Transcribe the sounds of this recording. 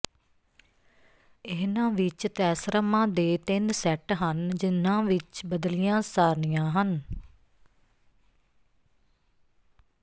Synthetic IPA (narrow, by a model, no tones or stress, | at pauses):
ɪːnãːʋɪt͡ʃt̪ɛːsɾəmãːd̪eːt̪ɪnsɛʈɦənd͡ʒɪnːãːʋɪt͡ʃbəd̪lɪjãːsaːɾnijãːɦən